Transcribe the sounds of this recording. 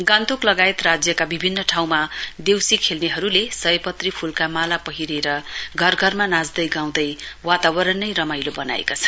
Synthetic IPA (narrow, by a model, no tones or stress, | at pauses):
ɡant̪uklʌɡaet̪rad͡zjʌkabibʱinːʌʈʰaw̃mad̪ewsikʰelneɦʌɾulesʌjpʌt̪ripʰulkamalapʌɦiɾeɾʌɡʱʌrɡʱʌrmanad͡zd̪ʌjɡaw̃d̪ʌjwat̪abʌɾʌnːʌjɾʌmajlobʌna̰ḛkot͡sʰʌ̥